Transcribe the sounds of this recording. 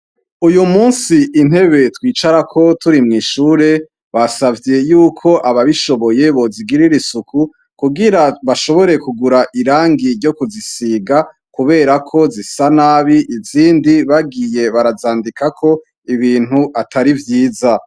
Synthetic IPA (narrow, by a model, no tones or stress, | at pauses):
ujumuːnsiʔin̥he̞βe̞twiːt͡ʃaɾakʰo̞tuɾimŋiːʃuːɾe̞ | βasavje̞juːkʰo̞ʔaβaβiʃo̞βo̞je̞βo̞ziɡiɾiɾisukʰu | kuɡiɾaβaʃo̞βo̞ɾe̞kuɡuɾaʔiɾaːŋɡiɾɟo̞kuzisiɡa | kuβe̞ːɾakʰo̞zisanaːβiʔiziːndiβaɡije̞βaɾazaːndikʰakʰo̞ | iβiːn̥huʔatʰaɾivjiːza